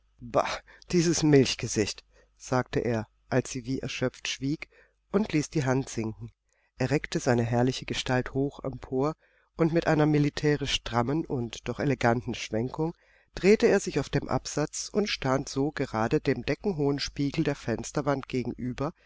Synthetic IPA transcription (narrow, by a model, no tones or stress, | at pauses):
ba̰ | d̥iːzəsmɪlçɡ̥əzɪçt | z̥aːk̚təʔḛːɐ | ʔalsz̥iːviːʔɛ̰ɐʃœp͡ftʃv̥iːk | ʔʊntliːsd̥iːɦantz̥ɪŋkŋ̩ | ʔeːɐʁɛktəzaɪnəɦɛɐlɪçəɡəʃtalthoːxɛ̰mpʰoːɐ | ʔʊntmɪtʔaɪnɐmilitʰɛːʁɪʃd̥ʁ̥amənʊntd̥ɔχeleɡantn̩ʃv̥ɛŋkʊŋ | d̥ʁeːtəeːɐzɪçaʊfd̥eːmʔa̰pz̥at͡sʊntʃtantz̥oːɡəʁaːdədeːmdɛkŋ̩ɦoːənʃpiːɡl̩deːɐfɛnstɐvantɡ̥eːɡŋ̩ʔyːbɐ